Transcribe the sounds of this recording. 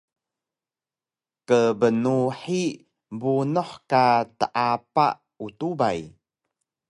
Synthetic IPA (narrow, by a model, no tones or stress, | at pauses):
kəbənuħi | bunuħkatəʔapa̰ | utuba̰j